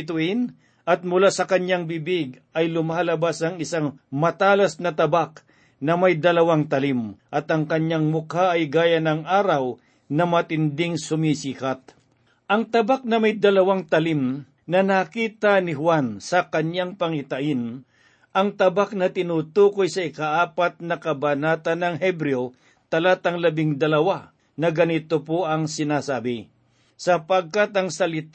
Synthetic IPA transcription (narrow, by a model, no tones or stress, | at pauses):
t̪̬ʊʔɪn | ɐt̪̚mʊlasɐkɐɲaŋbibɪɡ | ɐjlʊmaːlɐbasɐŋɪsaŋmɐt̪aːlɐsnɐt̪ɐbak | nɐmajd̪ɐlɐwaŋt̪ɐlimʔɐt̪ɐŋkɐɲjaŋmʊkaɐjɡaːjanɐŋʔaːɾɐw | nɐmɐt̪ɪnd̪ɪŋsʊmisiːkat̪̚ | ʔɐŋt̪ɐbak̚nɐmɐjd̪ɐlɐwaŋt̪ɐlim | nɐnɐkiːt̪ɐnɪɦwansɐkɐɲjaŋpɐŋɪt̪ɐʔɪn | ʔɐŋt̪ɐbak̚nɐt̪ɪnuːt̪uːkojsɐɪkaʔaːpat̪̚nɐkɐbanaːt̪ɐnɐŋɦɛbɾɛo | t̪ɐlat̪ɐŋlɐbɪŋd̪ɐlɐwa | nɐɡɐnɪt̪opoʔɐŋsɪnaːsaːbɪ | sɐpɐɡ̚kat̪ɐŋsɐlɪt̪